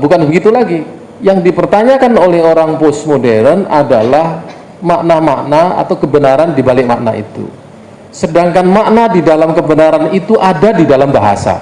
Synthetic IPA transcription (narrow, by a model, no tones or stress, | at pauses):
bukanbəɡit̪ulaɡi | jaŋdipərt̪aɲakanolɛhoɾaŋposmodɛɾəna̰dalah | maʔnamaʔnaa̰t̪awkəbənaɾandibalɪk̚maʔna̰ḭt̪ṵ | sədaŋkanmaʔnadidalamkəbənaɾanit̪uʔadadidalambaɦa̰sa̰